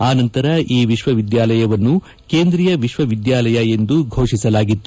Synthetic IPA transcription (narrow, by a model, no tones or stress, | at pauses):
aːnɐnt̪ɐɾɐʔiːʋiʃʋɐʋid̪jaːlɐjɐʋɐnːu | ke̞ːnd̪ɾijɐʋiʃʋɐʋid̪jaːlɐjɐe̞nd̪uɡʱo̞ːʂisɐlaːɡit̪ːu̥